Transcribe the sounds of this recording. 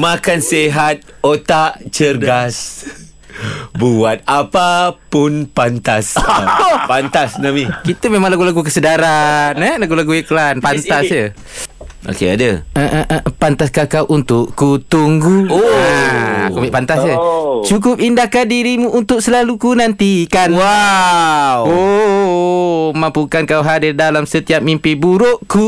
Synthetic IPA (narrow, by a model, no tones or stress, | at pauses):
makanseɦat̪̚ | ot̪aʔt͡ʃərɡas | buat̪̚apapʊnpant̪as | pant̪asnamikit̪əmemãŋlaɡulaɡukəsədaɾanəlaɡulaɡueklanpant̪asjə | ʔo̰kea̰dəəʔəʔəʔpant̪askakawʔunt̪ʊʔkut̪uŋɡuoa̰kumaiʔpant̪asət͡ʃuk̬ʊp̚indakandiɾimũʔːnt̪ʊk̚səlalukunant̪ikanwa | wo | mampukankawɦadirdalamsət̪iap̚mimpibuɾoʔku